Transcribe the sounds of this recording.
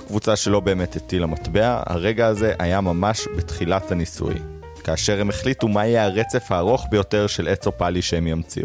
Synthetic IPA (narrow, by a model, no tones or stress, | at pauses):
kvut͡saʃe̞lo̞be̞ːmetetilamatbe̞a̰ha̰ʁe̞ɡaːze̞ʔajamamaʃbetχilathanisṵj | kaːʃe̞ʁhe̞meχlitumajeaʁet͡se̞fhaːʁo̞χbe̞jo̞te̞ʁʃe̞let͡sopaliʃeemjamt͡sḭu